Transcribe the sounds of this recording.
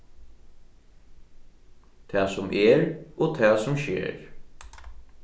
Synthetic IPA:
t̪ʰæːsʊmʔɛːɹoːt̪ʰɛːsʊmʃḛːɹ

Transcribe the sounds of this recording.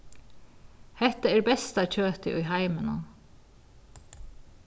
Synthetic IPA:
hɛht̪aɛɹbɛst̪ac͡çøːt̪ɪʔʊjɦaɪmɪna̰

